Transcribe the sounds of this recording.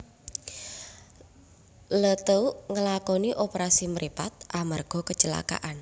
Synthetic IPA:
lət̪əuʔŋəlakɔniʔopəɾasiməɾipat̪̚ʔamarɡ̥ɔ̤kət͡ʃəla̰ka̰ʔan

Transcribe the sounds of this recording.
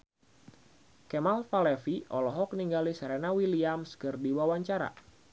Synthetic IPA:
kɛmalfalɛfiʔɔlɔɦɔk̚niŋɡalɪsrɛnawiliamskɨrdiwawaɲt͡ʃaɾa̰

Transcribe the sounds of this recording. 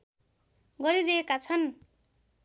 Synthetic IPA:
ɡʌɾid͡ziekat͡sʰʌn

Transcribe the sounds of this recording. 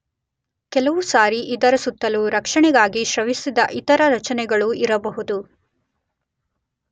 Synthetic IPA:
kɛlɐʋusaːɾiʔid̪ɐɾɐsut̪ːɐluɾɐkʂɐɳɛɡaːɡiʃɾɐʋisid̪ɐʔit̪ɐɾɐɾɐt͡ʃɐnɛɡɐɭuiɾɐbɐɦud̪u

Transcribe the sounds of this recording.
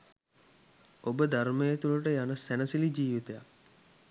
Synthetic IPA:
obəd̪ʱaɾmejet̪uluʈəjanəsænəsilid͡ʒiːʋit̪ejak̚

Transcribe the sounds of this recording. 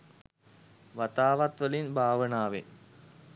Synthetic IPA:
ʋat̪aːʋat̪ʋəlinbʱaːʋənaːʋḛ

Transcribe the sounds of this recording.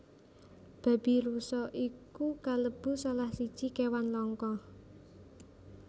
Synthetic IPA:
b̥a̤b̥i̤ɾusɔʔikukaləb̥ṳsalahsid̥ʒ̥i̤kewanlɔŋkɔ

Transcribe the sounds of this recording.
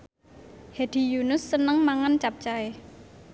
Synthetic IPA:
hed̪̥i̤junʊsːənəŋmaŋant͡ʃap̚t͡ʃae

